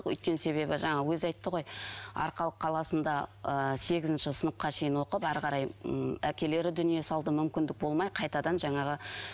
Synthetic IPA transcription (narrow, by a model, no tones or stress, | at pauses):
qʏ̰jt̪kʲe̞nse̞βe̞bɪʒɑɴɑwɵzɑjt̪ːəʁo̞jɑ̰ɾqɑlˠəqʰːɑlˠɑsənd̪ɑəse̞ɡʲɪzɪnʃɪsənəp̚qɑʃe̞jɪnwo̞qəpæɾʁɑɾɑjækʲe̞le̞ɾɪd̪ʏnije̞sɑlˠd̪əmʏmkʲɪnd̪ɪk̚bo̞lˠmɑjqʰɑjt̪ɑd̪ɑnʒɑɴɑʁə